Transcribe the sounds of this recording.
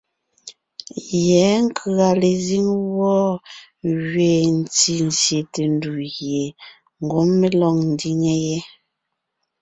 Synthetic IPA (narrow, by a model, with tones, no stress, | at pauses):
jɛ˨˦ŋ̩˦kʰa˨le˨zi˦ŋwɔ˦ | ɣɥeː˨n̩˨t͡si˨n̩˨sje˨te˨n˦du˨ɣje˨ | ŋ̩˨ɡo˨˦mme˦lɔ˨ŋn̩˨di˦ŋe˦jɛ˦